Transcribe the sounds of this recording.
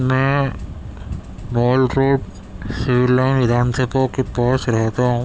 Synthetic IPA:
mɛ̃ | mɔːlɾoːɖ | sɪʋɪɾːaɪnʋɪd̪ʱaːnsəbõkepɔːt͡ʃɾɛɦt̪aɦũː

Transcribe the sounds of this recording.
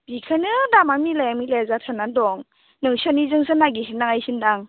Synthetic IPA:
b̥ikʰanɯdamamilajamilazatʰanadɔŋ | nɯŋsɔnizɯŋsɯnaɡisinːaŋajsindaŋ

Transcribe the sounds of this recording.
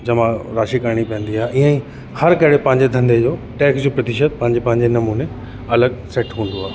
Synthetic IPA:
d͡ʑɐmãɾaːʃikəɾɽ̃ipɐ̃ɦə̃nd̪iaːeʔiːə̃ĩ | hɐɾkɐɦɪɽepɐ̃ɦɪ̃ɲd͡ʑed̪ʱɐ̃nd̪ed͡ʑoː | ʈɛːksd͡ʑoːpɾɐt̪ɪʃət̪̚pɐ̃ɦɪ̃ɲd͡ʑepɐ̃ɦɪ̃ɲd͡ʑenɐmuːne | ɐləɡ̚sɛʈɦũːn̆d̪oaːe

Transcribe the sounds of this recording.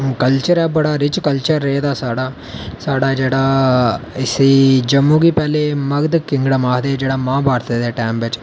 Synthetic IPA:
kɐlt͡ʃɐɾabɐɽaːɾit͡ʃkɐlt͡ʃɐɾːeːd̪aːsaːɽa | saːɽaːd͡ʒɐɽa | isid͡ʒɐmːuɡipaːlemɐɡd̪kiŋɡɽɐmaːɦd̪eːd͡ʒɐɽaːmaːbaːɾt̪ɐd̪eʈaːmbet͡ʃ

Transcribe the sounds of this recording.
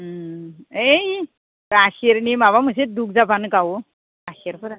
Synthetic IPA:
ej | aɕiɾnimaʋaməs̬ed̪uk̚d͡zapankau | aɕiɾpəɾ

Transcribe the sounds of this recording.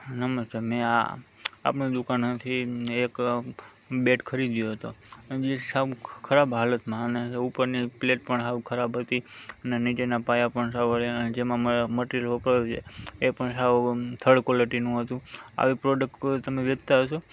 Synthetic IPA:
nəməst̪amẽa̰a̰pɳũd̪ukanɦət̪ʰiek | beʈkʰəɾid̪joɦət̪od͡ʒesaʋkʰəɾabɦalət̪mãəneupəɾnipleʈ̚pəɳɦaʋkʰəɾabɦət̪iənenit͡ʃenapajapəɳsaʋəɾeəned͡ʒemãmməʈiəlʋəpɽajut͡ʃʰeepəɳsaʋt̪ʰəɽkoləʈinũɦət̪ũa̰ʋipɾoɖək̚ʈt̪əmeʋəd͡ʒt̪aɦəʃo

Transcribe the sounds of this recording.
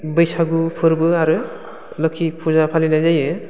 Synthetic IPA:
bɯjsaɡupʰɯɾbɯaɾɯ | lɔkʰipʰuzapʰalinajzajɯ

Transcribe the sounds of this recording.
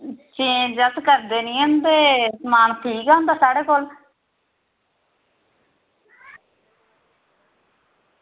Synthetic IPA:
t͡ʃẽːd͡ʒəskəɾd̪eːnĩːɦənd̪eːsmaːnt̪ʰiːkaːɦʊnd̪aːsaːɽeːkoːl

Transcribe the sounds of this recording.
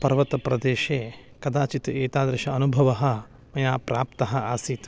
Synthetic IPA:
pɐɾʋɐt̪ɐpɾɐd̪eːʃeː | kɐd̪aːt͡ʃit̪ɐeːt̪aːd̪ɾɐʃɐɐnubʱɐʋɐɦɐ̆ | mɐjaːpɾaːp̚t̪ɐɦɐ̆aːsiːt̪

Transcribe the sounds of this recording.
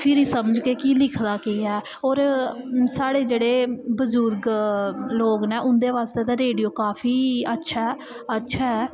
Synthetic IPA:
pʰɪɾiːsəməd͡ʒkeːkilɪkʰd̪aːkeːɛː | oːɾsaːɽeːd͡ʒeːɽeːbəzʊɾɡ | loːɡnẽːʔʊnd̪eːʋaːst̪eːd̪aːɾeːɖijoːkaːpʰiːətːʃʰaː | ətːʃʰaːɦɛː

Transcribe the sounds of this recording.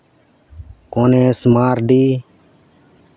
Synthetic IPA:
koːnẽːsmaːɾɖiː

